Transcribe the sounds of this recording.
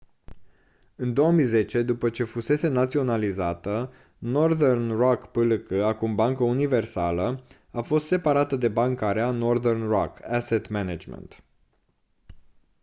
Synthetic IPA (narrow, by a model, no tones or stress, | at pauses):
ɨnd̪o̞wəmijze̞t͡ʃe̞d̪upət͡ʃe̞fuse̞se̞nat̪sio̞nalizat̪ə | no̞rðernrakpɨlɨkəakumbaŋkəunive̞rsalə | afo̞st̪se̞paɾat̪əd̪e̞baŋkaɾeano̞rðernrakaset̪menad͡ʒmḛnt̪